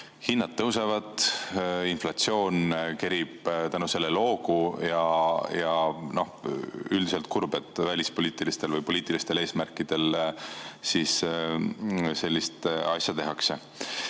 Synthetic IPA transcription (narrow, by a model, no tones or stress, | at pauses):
hinːɑd̪̚t̪ːɤwse̞vɑd̪̥ | inflɑt̪sio̞ːnke̞ɾib̥t̪ænuse̞lːe̞lo̞ːkujɑjɑno̞hyld̪ise̞lt̪̚kuɾbe̞t̪ːˑvælʲispo̞liːt̪ˑilist̪e̞lvɤjpo̞liːt̪ilist̪e̞le̞ːsmærkːˑid̪̥e̞l | sis | se̞lʲːist̪ɑ̰sjɑt̪e̞ɦɑkse̞